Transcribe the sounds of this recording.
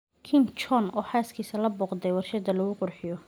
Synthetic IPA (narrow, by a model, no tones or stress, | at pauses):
kʰɪnt͡ʃɔnɔːħaːskʰiːsɐlɐbɔːqd̪ɛjwɑrʃɐd̪ɐlɐɣʊqʊrħɪjɔ